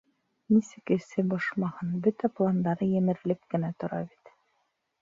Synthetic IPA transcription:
nisɘ̆kɘ̆sɘbɑʃmɑhɤnbɵt̪æplˠand̪ɑɾɤjɘ̆mɘ̆ɾɘ̆lɘp̚kɘ̆næt̪ŏɾɑ̰βit̪

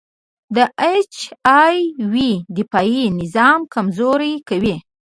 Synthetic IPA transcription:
d̪əʔet͡ʃɑjwid̪ɪpɑjinɪzɑmkamzoɾajkawi

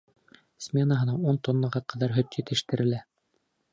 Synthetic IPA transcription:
sʲmʲenaɦɤ̆nɑunt̪onlˠɑʁɑqʰɑðɑɾɦɵt̪jɘ̆t̪ɘ̆ʃt̪ɘ̆ɾɘ̆læ

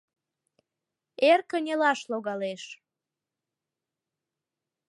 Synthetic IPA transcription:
erkənʲelɑʃloɣɑleʃ

